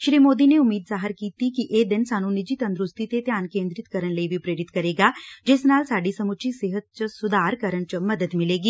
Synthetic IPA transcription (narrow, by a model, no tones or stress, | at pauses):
ʃɾiːmoːd̪ineʊmːiːd̪zaːɦəɾkiːt̪ikiʔeːd̪ɪnsaːnũnɪd͡ʒit̪ɐ̃nd̪ɾʊst̪it̪et̪jaːnkẽːnd̪ɾɪt̪kɐɾəñlɐibʱipɾeːɾɪt̪kɐɾeːɡaːd͡ʒɪsnaːlsaːɖisɐmʊt͡ʃʰiseːɦət̪̚t͡ʃəsʊd̪ʱaːɾkəɾəɳ̃t͡ʃəmɐd̪əd̪mɪleːɡiː